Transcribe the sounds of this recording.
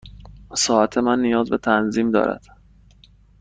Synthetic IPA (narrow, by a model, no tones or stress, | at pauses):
sɒːʔæt̪ʰe̞mænːijɒːzbe̞t̪ʰænziːmd̪ɒ̰ːɾæ̰d̪̥